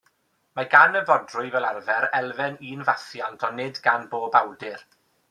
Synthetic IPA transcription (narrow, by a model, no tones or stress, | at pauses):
maɡanəvɔdrʊɨvɛlˠarvɛɾɛlˠvɛniːnvaθjantʰɔnɪdɡanboːbawdɪr